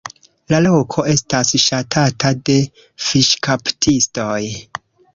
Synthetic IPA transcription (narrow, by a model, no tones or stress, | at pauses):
lalo̞kʰo̞e̞stasʃatʰatʰade̞ | fiʃkʰaptʰisto̞j